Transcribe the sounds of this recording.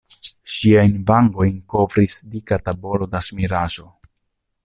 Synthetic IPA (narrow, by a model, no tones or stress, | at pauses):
ʃiajnbaŋɡo̞jnko̞vɾisdikatabo̞lo̞dasmiɾaʒo̞